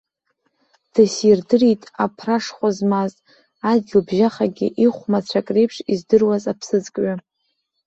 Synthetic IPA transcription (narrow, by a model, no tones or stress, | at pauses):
d̥asirdɨritʼapʰraʂχʷazmaz | ad̚ɡʲɪlbʒaχaɡʲḭʔiχʷmat͡sʷʰakʼrejpʰʂizdɨrwazapʰsɨzkʼɥa